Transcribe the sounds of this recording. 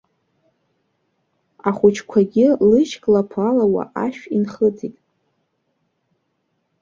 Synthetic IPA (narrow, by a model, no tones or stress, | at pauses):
aχʷʊt͡ʃʰkʷʰaɡʲɪlɨʃkʼlapʰalawa̰ʔaʃᶣinχəd͡zʼitʼ